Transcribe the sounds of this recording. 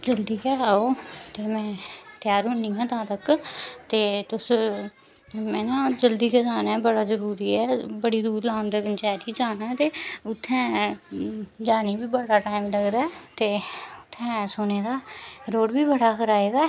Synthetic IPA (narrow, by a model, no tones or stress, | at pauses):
d͡ʒəld̪iːkɛːaːoːt̪eːmɛ̃ːt̪ɪjaːɾɦʊnĩːãːt̪ãːt̪əkt̪eːt̪ʊs | mɛ̃ːnãːd͡ʒəld̪iːkɛːd͡ʒaːnɛːbəɽaːzəɾuːɾiːɛːbəɽiːɾuːdlãːʊnd̪eːʋənt͡ʃaːɾiːd͡ʒaːnaːt̪eːʊt̪ʰːɛ̃ː | d͡ʒaːniːbiːbəɽaːʈaːimləɡd̪aːɛːt̪eːʊt̪ʰːɛ̃ːsoːneːd̪aːɾoːɖbiːbəɽaːkəɾaːeːɡaː